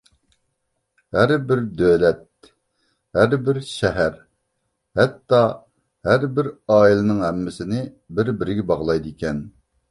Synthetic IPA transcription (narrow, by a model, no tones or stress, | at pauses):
hæɾbɪɾd̪ølɛt̪̚ | hæɾbɪɾʃɛɦæɾ | hɛt̪ːɑ | hæɾbɪɾɑːilˠɨnɨŋɦɛmːɪsɪnɪ | bɪɾbɪɾɪɡʲɛbɑʁlˠɑjd̪ikʲɛn